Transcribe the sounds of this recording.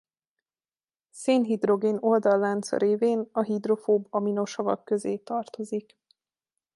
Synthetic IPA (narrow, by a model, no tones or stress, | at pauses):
seːnɦid̪ro̞ɡeːno̞ld̪ɒlːant̪sɒ̰ɾeːveːnɒɦid̪ro̞foːbɒmino̞ʃɒvɒ̰kːø̞zḛːt̪ɒrt̪o̞zik